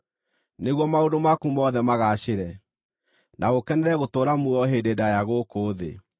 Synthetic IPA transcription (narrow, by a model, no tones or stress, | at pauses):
neɣwɔmaondomakumɔðɛmaɣaʃeɾɛ | naɣokɛnɛɾɛɣotoːɾamuɔɦendedajaɣokoːðḛ